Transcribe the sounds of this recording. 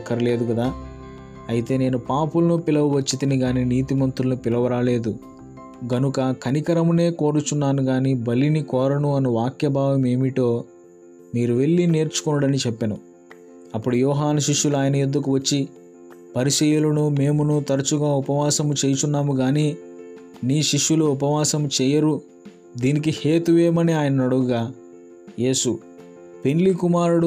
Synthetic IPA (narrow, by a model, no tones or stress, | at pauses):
kːɐɾile̞ːd̪ukɐd̪aː | ɐjit̪e̞ːne̞ːnupaːpulɐnupilɐʋuʋɐt͡ʃːit̪iniɡaːniniːt̪imɐnt̪ɾulɐnupilɐʋɐɾaːle̞ːd̪u | ɡɐnukɐkʰɐnikɐɾɐmune̞ːko̞ːɾut͡ʃunːaːnuɡaːnibɐlinikɔːɾɐnuɐnuʋaːkjɐbʱaːʋɐme̞ːmiʈo̞ː | miːɾuʋe̞ɭːine̞ːɾt͡ʃu̥koːnɽɐnit͡ʃɛpːɐnu | ɐpːuɽujɔːɦaːnɐʃiʃːuluaːjɐnɐed̪uk̬uʋɐt͡ʃːi | pɐɾiʃɛjulɐnume̞ːmunut̪ɐɾɐt͡ʃuɡaːupɐʋaːsɐmut͡ʃeːjɐt͡ʃunːaːmuɡaːniː | niːʃiʂːuluupɐʋaːsɐmut͡ʃɛːjɐɾu | d̪iːnik̬iheːt̪uʋeːmɐniaːjɐnɐnɐɽuɡuɡaː | je̞ːsu | pe̞nlikumaːɾuɽu